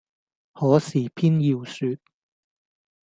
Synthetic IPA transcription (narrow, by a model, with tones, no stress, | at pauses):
hɔː˨˥siː˨˩pʰiː˥njiː˧wsyː˧t̚